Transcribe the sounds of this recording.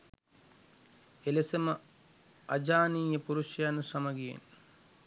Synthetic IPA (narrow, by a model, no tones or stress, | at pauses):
elesɐmɐ | ɐd͡ʒaːniːjɐpuɾuʃjanusɐmɐɡiḛn